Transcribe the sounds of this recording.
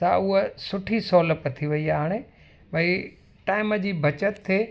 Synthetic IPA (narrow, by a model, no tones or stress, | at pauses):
sa̰ʊɦəsʊʈʰisɔːləpət̪ʰiʋɐiaːɦaːɽ̃e | bʱɐi | ʈaːɪməd͡ʑiːbʱɐt͡ɕət̪ʰːeː